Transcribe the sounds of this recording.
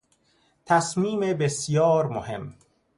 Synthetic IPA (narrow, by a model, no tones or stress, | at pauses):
t̪ʰæsmiːmebesijɒːɾmohe̞̰m